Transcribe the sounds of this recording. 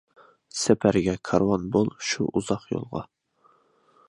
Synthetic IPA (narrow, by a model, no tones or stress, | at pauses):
sɛpʰæɾɡʲɛkʰɑɾwonbolˠʃuʔuzɑqjo̰lˠʁɑ̰